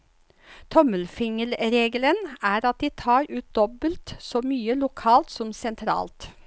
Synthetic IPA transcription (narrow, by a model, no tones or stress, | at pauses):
t̪ʰɔməlfɪŋəlɾeːɡələnæːɾɑt̪̚d̪iːt̪ʰɑːɾʉːt̪̚d̪ɔbəlt̪sɔːmyːəlʊkʰɑːlt̪sɔmsɛnt̪ʰɾɑ̰ːlt̪